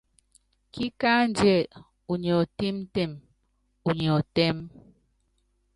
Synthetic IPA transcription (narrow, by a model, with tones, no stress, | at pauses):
ki˦ka˦n˦d͡ʒɛ˦˨ | u˨ɲ˨ɔ˨ti˦m˦te˦˨m | u˨ɲ˨ɔ˨tɛ˦m